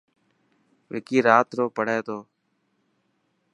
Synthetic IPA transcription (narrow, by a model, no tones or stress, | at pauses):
ʋɪ̰ːkiːɾaːt̪ɾoːpəɽ̤eːt̪oː